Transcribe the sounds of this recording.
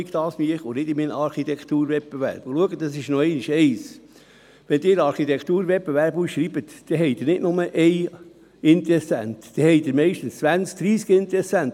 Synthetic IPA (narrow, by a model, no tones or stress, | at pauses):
ɡd̪ɑːsmiəχonɪd̪ɪminɑɾχit̪ɛkʰt̪uːɾʋɛt̚b̥eʋæ̰ɾb̥ʊluəɡədɑsɪʃnɔɛɪniʃɛɪs | ʋɛnd̪ɪːɾɑɾχit̪ɛkʰt̪uːɾʋɛpbeʋæɾbusʃɾibət̪d̪̥ɛɦɛɪd̥̪ɪːɾnɪdnʊməʔɛj | ɪnt̪ɾɛsæ̰nt̪d̥ɛhɛɪd̪ɪɾmɛɪʃtənst͡sʋænt͡sk̚d̥ɾiːskɪnt̪ɛsːænt